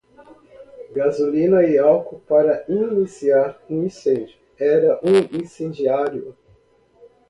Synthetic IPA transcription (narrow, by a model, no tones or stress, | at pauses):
ɡazulĩnɐɪawkʊpaɾɐĩnisiaɾũĩsẽd͡ʒʊ | ɛɾɐʔũĩsẽd͡ʒiaɾjʊ